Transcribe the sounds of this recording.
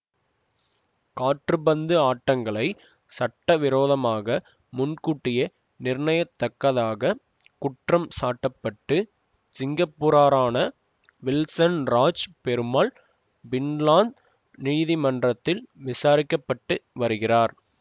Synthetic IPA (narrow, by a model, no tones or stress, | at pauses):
kaːʈrɯbɐnd̪ɯaːʈːɐŋɡɐɭɐɪ | sɐʈːɐʋɪɾoːðɐmaːɣɐ | mʊnkuːʈːɪjɐ | nɪrɳɐjɐt̪ːɐkːɐðaːɣɐ | kʊʈrɐmsaːʈːɐpːɐʈːɯ | sɪŋɡɐpːuːɾaːɾaːnɐ | ʋɪlsɐnɾaːt͡ʃpɛɾɯmaːɭ | bɪnlaːnd̪ | niːðɪmɐndrɐt̪ːɪlʋɪsaːɾɪkːɐpːɐʈːɯʋɐɾɯɣɪraːɾ